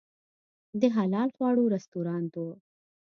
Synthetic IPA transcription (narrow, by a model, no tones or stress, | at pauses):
d̪əɦalɑlxwɑɽuɾast̪uɾɑnt̪o